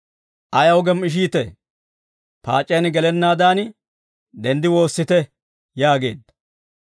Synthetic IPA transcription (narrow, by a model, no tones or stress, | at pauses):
ʔɐjɐwʊɡɛmɪʃ̬iːt̪ɛ | pa̰ːt͡ʃʼːeːnɡɛlɛnːaːd̪aːn | d̪ɛnd̪ɪwo̞ːsːɪt̪ɛ | jaːɡe̞̰ːd̪ːɐ̥